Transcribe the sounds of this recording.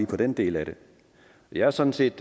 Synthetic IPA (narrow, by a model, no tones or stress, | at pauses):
ipʰɒ̽d̥end̥e̝̰ːlæɾ̥e̝ | ɒjɑ̈æɐsɒ̽nn̩se̝̰ːd̥